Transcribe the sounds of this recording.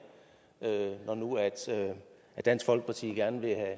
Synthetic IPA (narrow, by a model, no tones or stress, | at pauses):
ønɒnuæd̥ø | æ̥æn̰sɡ̥fɒ̽l̰ɡ̥ə̥pʰɑ̈t͡sʰḭɡ̥æɐnəʋe̝hæ